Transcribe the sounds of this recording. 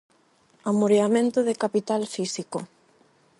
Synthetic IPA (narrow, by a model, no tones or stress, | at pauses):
amoɾeamẽnt̪ʊðekapit̪alfisiko